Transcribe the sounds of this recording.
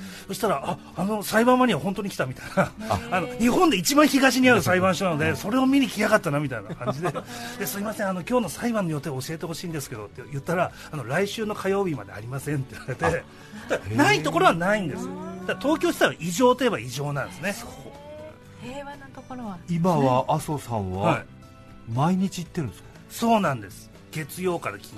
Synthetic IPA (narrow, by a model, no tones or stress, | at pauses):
soɕi̥t̪aɾaa | ano̞saibãɰ̃βaɲ̟iβahõ̞nt̪oɲ̟ikʲi̥t̪amʲit̪ainaːno̞ɲ̟ihõ̞nd̪e̞it͡ɕibãɰ̃çiɡaɕiɲ̟iaɾɯ̟saibãɰ̃ɕonanod̪e̞so̞ɾe̞o̞mʲiɲ̟ikʲijakat̪ːanamʲit̪ainakãɲd͡ʑid̪e̞d̪̥esɨɾʲimasẽano̞kʲo̞ːno̞saibãɲːijo̞t̪ːeoɕie̞t̪eho̞ɕĩːnd̪e̞sɨ̥ke̞d̪o̞t̪ːejɯ̟t̪ːaɾaː | no̞ɾaiɕɨːno̞kʰajo̞ːbʲima̰d̪ea̰ɾʲimasẽ̞nt̪enaɾe̞t̪e̞ | t̪aanait̪o̞ko̞ɾo̞βanaĩnd̪e̞sɨjo̰d̪̥adt̪o̞ːkʲo̞ːɕi̥t̪aβaʔiʑo̞ːt̪oje̞baiʑo̞ːnãnd̪esɨne̞ | βanot̪okoɾoaimaβaʔasosã̰ɰ̃βa̰hai | maiɲ̟it͡ɕiit̪ːeɾɯ̟nesk | so̞ːnãnd̪e̞sɨ̥ | ɡ̥e̞t͡sɨjo̞ːkaɾakʲʰi̥